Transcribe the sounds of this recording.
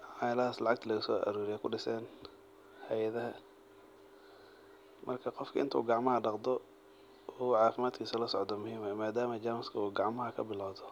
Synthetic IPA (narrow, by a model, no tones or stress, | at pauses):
ħɑlɐhaːslɑʕɑk̚t̪ʰɐlɐɣʊsɔːʔɐ̰ɾuːɾɪjɛkʰʊɖɪsɛːn | hɛjɐðɐɦɐ | mʔɐrkʰɐqɔfkʰɐʔɪ̰nt̪ʰṵːɡɑʕmɐɦɐɖɑqd̪ɔ | ɔʕɑːfɪmaːd̪kʰiːsɐlɐsɔʕd̪ɔmʊhiːmɛmaːd̪aːmɐd͡ʒaːmɪskʰɐuːɡɑʕmɐɦɐkʰɐ̰bɪlawðɔ